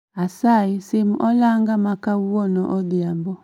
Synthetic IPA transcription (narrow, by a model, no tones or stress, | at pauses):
asaisim̩ʔɔlaŋɡamakawuwɔnɔʔɔdiambɔ